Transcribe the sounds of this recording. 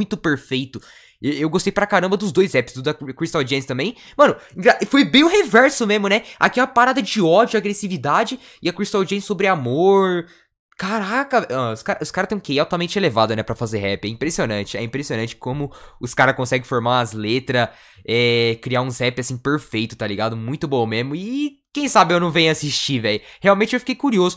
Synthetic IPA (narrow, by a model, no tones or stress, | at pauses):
m̃j̃t̪ʊpeɾfejt̪ʊ | eewɡost̪ejpɾɐkaɾɐ̃mbɐd̪ʊzd̪ojzɛpɪsd̪ʊd̪ɐkɾist̪awd͡ʒiẽst̪ɐ̃bẽj̃ | mɐ̃nʊẽɡɾafojbẽj̃ʊ̃ɦevɛɾsʊmezmʊnɛa̰kiɛũmɐpaɾad̪ɐd͡ʒɪɔd͡ʒʊaɡɾesivid̪ad͡ʒɪ | ɪɐkɾist̪awd͡ʒiẽsobɾɪamoɾ | kaɾakɐɔʊskaɾɐʔʊskaɾɐt̪ẽj̃kejawt̪amẽt͡ʃɪelevad̪ʊnɛpɾɐfazeɾɦɛpɪɛĩpɾesionɐ̃t͡ʃɪɛ̰ĩpɾesionɐ̃t͡ʃɪ̥kɪ̥kõmʊʊskaɾɐkõsɛɡɪ̃foɾmaɐzlet̪ɾɐ | ɛkɾiaũzɛpɪasĩpeɾfejt̪ʊ̥t̪aliɡad̪ʊmũj̃t̪ʊbõw̃mẽzmʊɪ | kẽj̃sabɪewnɐ̃w̃vẽjʊasist͡ʃivɛjʊheawmẽnt͡ʃɪewfikejkuɾiozʊ